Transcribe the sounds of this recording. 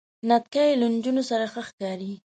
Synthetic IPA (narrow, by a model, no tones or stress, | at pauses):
nat̪̚kajland͡ʒunosaɾaxəxkɑɾi